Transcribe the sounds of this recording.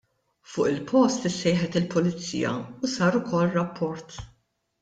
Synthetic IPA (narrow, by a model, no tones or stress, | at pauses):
fʊːʔɪlpʰɔst̪ɪsːɛjħɛt̪ɪlpɔlɪt͡sḭːjɐ̰usɐːɾʊkʰɔlːrɐpʰːɔɾt̪